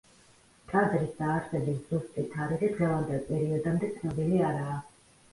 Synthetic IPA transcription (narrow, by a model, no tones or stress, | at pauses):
kʼazɾisd̪aːɾsɛbisz̥ust̪ʼit̪ʰaɾiχid̪̥ʁɛvand̪ɛlˠpʼɛɾiɔd̪amd̪ɛt̪sʰnɔbiliaɾaː